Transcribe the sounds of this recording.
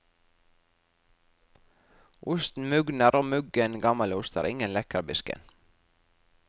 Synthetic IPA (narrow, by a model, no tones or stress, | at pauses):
ʔʊst̪n̩mʉɡnəɾʔoːmʉɡənɡɑmɑlʊst̪ə̰ɾʔɪŋənlɛkəɾbɪskə̰n